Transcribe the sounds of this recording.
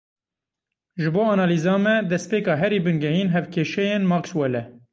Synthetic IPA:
ʒɨboːɑnɑːliːzɑːmɛd̪ɛspeːkɑːɦɛɾiːbɨnɡɛhiːnɦɛvkʰeːʃɛjeːnmɑːkswɛlɛ

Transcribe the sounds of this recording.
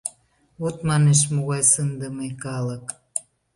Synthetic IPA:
ot̪mɑneʃmoɣɑjsənd̪əmekɑlək

